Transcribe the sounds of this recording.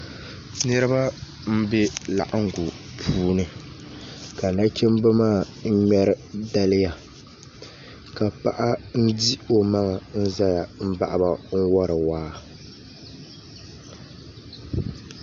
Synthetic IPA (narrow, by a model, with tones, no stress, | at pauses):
nɨ˦ɾɨ˦ba˦ | m̩˦be˦la̰˨ʔa˦ŋ˨ɡu˨pʰuː˦nɨ˨ | ka˨na˦kʲɛ˦m˦bɨ˦maː˦˨ | ŋ̩˦ɲɛ˦ɾɨ˦da˦lɪ˦ja˨ | ka˨pa˨ʔa˦n̩˦di˦o˨ma˦ŋa˨n̩˦za˦ja˨m̩˦ba̰˨ʔa˦ba˨ŋ̩˦wɔ˦ɾɨ˨waː˦